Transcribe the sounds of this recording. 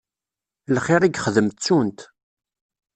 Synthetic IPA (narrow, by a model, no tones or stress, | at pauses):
lχɪɾiɡχəðəmt̪t͡sːunt̪